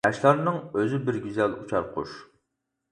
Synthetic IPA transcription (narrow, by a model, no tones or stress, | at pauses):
ɑʃlˠɑɾnɨŋøzɪbɪɾɡʲyzɛlut͡ʃʰɑɾqʰʊ̰ʃ